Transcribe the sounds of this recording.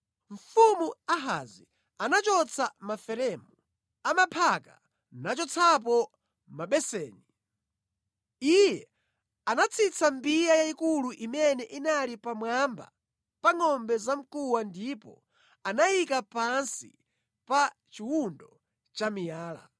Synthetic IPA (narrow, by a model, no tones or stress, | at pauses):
ɱ̩fumuaɦa̰zi | anat͡ʃɔt͡sʰamafɛɾɛːmu | amapʰaka̰ | nat͡ʃɔt͡sʰap̬ɔ | maɓɛsɛːni | ijɛ | anat͡sʰit͡sʰambijajaikuluʔimɛnɛʔinalipamwamba̰ | paŋɔmbɛzam̩kuwandipɔ̰ | anajikapansḭ | pa | t͡ʃiwundɔ | t͡ʃamijaːla̰